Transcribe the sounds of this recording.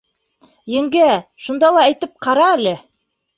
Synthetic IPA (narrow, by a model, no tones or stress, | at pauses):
jɘ̆ŋɡæʃŭnd̪ɑlˠɑæjt̪ɘp̚qʰɑɾɑælɘ